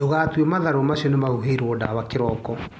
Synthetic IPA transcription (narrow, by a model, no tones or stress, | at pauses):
oɣaːtwɛmaðaɾɔmaɕiɔnemaɣuɦeɾoɔda̰wakeɾɔkɔ